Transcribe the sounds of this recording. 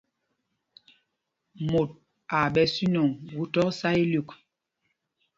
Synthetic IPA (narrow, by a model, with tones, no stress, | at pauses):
mo˨t̚ | a˨ɓɛ˨si˦nɔ˨ŋwu˦tɔ˦ksa˦i˦lu˨k